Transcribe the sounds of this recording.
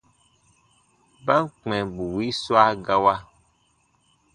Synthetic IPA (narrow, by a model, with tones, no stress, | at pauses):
ba˦ŋk͡pɛ̃˨bu˨wi˦sɔ˦a˦ɡa˦wa˦